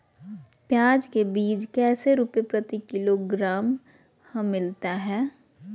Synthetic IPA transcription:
pjãːd͡ʒkebiːd͡ʒkɛːseɾuːpepɾɐt̪ikɪloɡɾaːm | hɐ̃ːɪlt̪aɦɛː

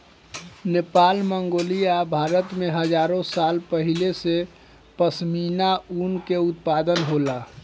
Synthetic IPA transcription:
nepaːlməŋɡoːlijabʱaɾət̪meɦəd͡ʒaːɾõsalpəɦilese | pəsminaunkeʊt̪̚pad̪ənɦola

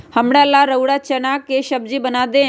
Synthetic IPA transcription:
həmɽaːlaːɾəʊɽaːt͡ʃənaːkeʃəb̚d͡ʒiːbənaːd̪eː

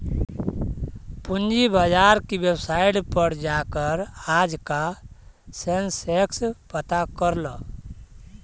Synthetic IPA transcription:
pund͡ʒibad͡ʒaɾkibjebsajɽpəɽd͡ʒakəɾad͡ʒka | sensekspət̪akəɾlɔ

